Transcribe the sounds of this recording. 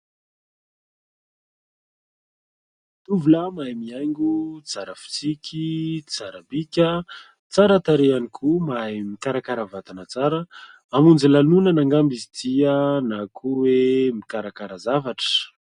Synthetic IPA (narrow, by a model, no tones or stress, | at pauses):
t̪uvulamajmiajŋɡut͡saɾəfi̥t͡sikʲit͡saɾəbikʲə | t͡saɾat̪aɾeanikʰumajmikaɾakaɾəvat̪anət͡saɾə | amund͡zilanunənaŋɡambizit̪iənakʰuwemikaɾakaɾəzavaʈ͡ʂə̥